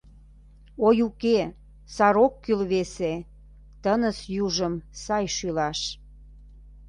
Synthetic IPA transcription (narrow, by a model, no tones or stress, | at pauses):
ojuke | sɑɾokːylβese | t̪ənəsjuʒəmsɑjʃylɑʃ